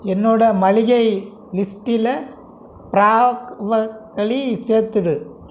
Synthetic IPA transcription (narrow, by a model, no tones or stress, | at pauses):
ɛnːoːɽɐmɐɻɪɣɐɪ | lɪsʈɪlɐ | pɪɾaːʋɐkɐɭiseːɾt̪ːɯɽɯ